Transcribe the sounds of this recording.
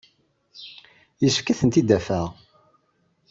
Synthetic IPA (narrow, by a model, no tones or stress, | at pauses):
jəsəfkːæθənt̪id̪ːæfæʁ